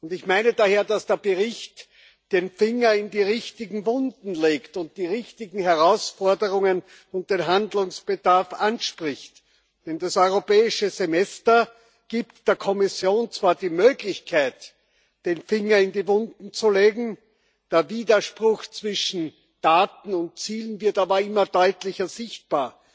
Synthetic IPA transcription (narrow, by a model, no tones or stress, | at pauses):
ʊndɪçmaɪnədaːheːɐdasd̥eːɐb̥əʁɪçt | d̥eːnfɪŋɐɪndiːʁɪçtɪɡŋ̩vʊndn̩leːktʊnt̚d̥iːʁɪçtɪɡŋ̩hɛɐʁaʊsfɔɐdəʁʊŋən | ʊnt̚d̥eːnɦandlʊŋsb̥ədaɐfʔanʃpʁɪçt | d̥ɛndasɔʏʁopɛːɪʃəzemɛstɐ | ɡ̥iːptd̥eːɐkʰɔmɪsjoːnt͡sv̥aːɐdiːmøːɡlɪçkʰaɪt | d̥eːnfɪŋɐɪndiːvʊndn̩t͡suleːɡŋ̩ | d̥eːɐviːdɐʃpʁʊxt͡sv̥ɪʃn̩ | d̥aːtn̩ʊnt̚t͡siːlənvɪɐtaːbɐɪmɐd̥ɔʏtlɪçɐzɪçt̚b̥aːɐ